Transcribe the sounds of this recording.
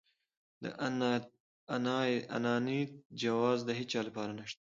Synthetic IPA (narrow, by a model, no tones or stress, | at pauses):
d̪ə̰ʔ | na̰nɑnid͡ʒawɑzd̪əɦɪt͡ʃɑlapɑɾanaʃt̪ḁ